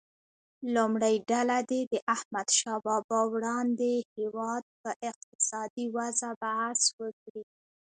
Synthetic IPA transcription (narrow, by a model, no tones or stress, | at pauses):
lumɽajɖalad̪ed̪əʔahmad̪ʃɑbɑbɑwɽɑnd̪ehewɑd̪̚pəʔɪq̚t̪ɪ̥sɑd̪iwazabahaswəkɽi